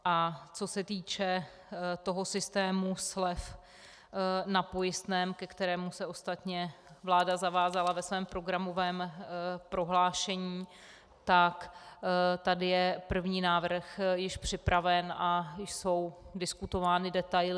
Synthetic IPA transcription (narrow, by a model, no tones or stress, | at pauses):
ʔat͡so̞sɛt̪iːt͡ʃɛ | t̪o̞ɦo̞sɪst̪ɛːmuslɛf | napo̞jɪst̪nɛːmkɛkt̪ɛɾɛːmusɛʔo̞st̪at̪ɲɛ | vlaːdazavaːzalavɛsvɛːmpɾo̞ɡɾamo̞vɛːmpɾo̞ɦlaːʃɛɲiː | t̪ak | t̪adɪjɛpr̩vɲiːnaːvr̩xjɪʃpr̥ɪpɾavɛnʔajɪso̞wdɪskut̪o̞vaːnɪdɛt̪ajlɪ